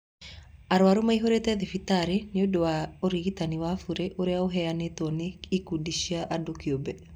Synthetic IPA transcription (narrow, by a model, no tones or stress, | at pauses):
aɾwaɾomaiɦoɾetɛðefitaɾeneodowaoɾiɣitaniwafuɾeʔoɾeaoɦɛanetɔneikudiʃiaʔadokiobɛ